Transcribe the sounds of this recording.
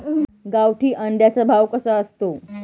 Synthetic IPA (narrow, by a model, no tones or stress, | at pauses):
ɡaʋʈʰiːʔəɳɖ̪jat͡sabʱaʋkəsaəst̪o